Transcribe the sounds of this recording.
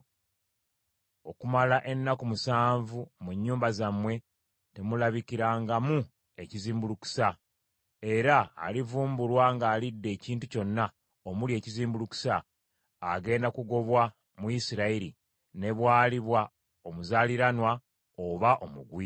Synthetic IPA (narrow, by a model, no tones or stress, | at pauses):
o̞kumalaʔe̞nːakumusaːɱvumuɲːuːmbazamwe̞ | te̞mulaβikiɾaːŋɡamu | e̞ciziːmbuluku̥sa | e̞ɾa̰ːlivuːmbulwaŋɡaːlidːe̞ːciːntuco̞nːa | omulie̞ːciziːmbuluku̥saː | ɡe̞ːndakuɡo̞βwa | muisiɾaiɾi | ne̞βwaːliβwa | o̞muzaːliɾanwa | oβaʔo̞muɡwi